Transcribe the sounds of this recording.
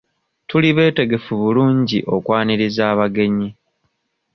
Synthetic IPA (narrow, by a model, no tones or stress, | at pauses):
tuliβe̞ːte̞ɡe̞fuβuluːɲɟiʔo̞kwaːniɾizaːβaɡe̞ɲi